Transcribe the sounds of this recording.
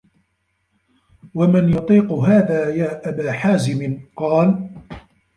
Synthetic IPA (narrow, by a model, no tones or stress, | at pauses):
wamɪnjʊt̪ˤiːqʊɦaːðaːjaːʔabaːħaːzɪmɪnqɑːl